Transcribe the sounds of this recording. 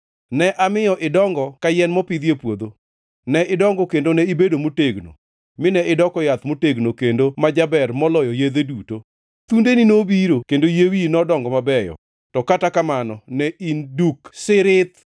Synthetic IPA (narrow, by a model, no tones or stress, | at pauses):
nɛʔamɪjɔʔɪdɔŋɡɔkajɛnmɔpid̪jepwod̪o | nɛʔɪdɔŋɡɔkendonɛibedomoteɡno̰ | mɪnɛɪdɔkɔjat̪moteɡnokendomad͡ʒabɛrmɔlɔjɔjed̪eduto | t̪undeninobiɾokendojewinɔdɔŋɡɔmabɛjɔ̰ | tɔkatakamanɔnɛinduksɪɾɪt̪